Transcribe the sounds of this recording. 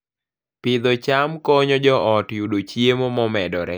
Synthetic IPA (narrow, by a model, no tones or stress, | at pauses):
pɪd̪ɔt͡ʃamkɔɲɔd͡ʒɔɔtjudot͡ʃjemomɔmɛdɔɾɛ̰